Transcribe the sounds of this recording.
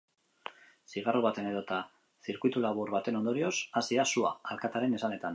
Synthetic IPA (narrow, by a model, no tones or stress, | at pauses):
siɣ̞aroβ̞at̪e̞ne̞ðo̞t̪a | siɾkujt̪ulaβ̞uɾβat̪e̞no̞nd̪o̞ɾio̞sasiasuaalkat̪aɾe̞ne̞sane̞t̪an